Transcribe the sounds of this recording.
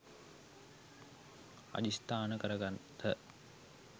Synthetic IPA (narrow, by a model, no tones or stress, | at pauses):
a̰d͡ʑist̪aːnəkəɾəɡant̪ʰːə